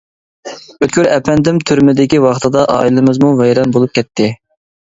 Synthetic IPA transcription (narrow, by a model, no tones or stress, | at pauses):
øt̪̚kʲyɾɛpɛnd̪ɪmt̪ʰyɾmɪd̪ɪkʲiwɑχt̪ʰɨd̪ɑʔɑ̰ilˠɨmɨzmuvɛjɾɑnbolˠup̚kʲɛt̪ʰːɪ